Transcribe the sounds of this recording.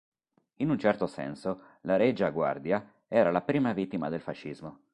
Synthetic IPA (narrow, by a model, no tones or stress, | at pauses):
inunt͡ʃɛrt̪osɛ̰nso | laɾed͡ʒaɡwa̰rd̪ja | ɛːɾalapɾiːmavit̪ːimad̪elfaʃːizmo